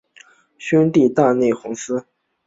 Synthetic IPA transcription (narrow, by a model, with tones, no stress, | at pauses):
ɕi˥nt̪i˥˧t̪a˥˧ne˥˩ɪxʊ˧˥ŋsɹ̩˥